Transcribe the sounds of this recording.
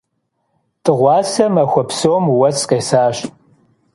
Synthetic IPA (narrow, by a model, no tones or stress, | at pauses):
tʼɨʁʷɑːsɐmɐxʷɔpsowmwɐsqeːsaːɕ